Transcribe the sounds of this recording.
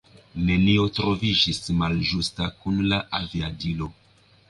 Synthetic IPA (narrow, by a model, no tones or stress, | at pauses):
ne̞nio̞tɾo̞vid͡ʒismald͡ʒustakunlaʔaviadilo̞